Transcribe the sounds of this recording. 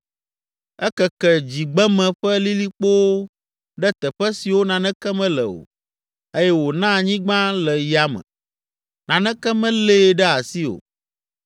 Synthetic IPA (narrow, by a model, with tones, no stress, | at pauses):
ɛ˦kɛ˨kɛ˨d͡ʑi˨ɡ͡bɛ˦mɛ̃˨ɸɛ˦li˦li˦k͡po˦wo˦ | ɖɛ˦t̪ɛ˨ɸɛ˦si˨wo˦nã˨nɛ̃˦kɛ˦mɛ̃˦lɛ̰˨o̰˨ | e˦jɛ˦wo˨nã˦˨ɲĩ˦ɡ͡bã˦lɛ˨ja˦mɛ̰̃˨ | nã˨nɛ̃˦kɛ˦mɛ̃˦le˦˨˦ɖɛ˦a˨si˦o̰˨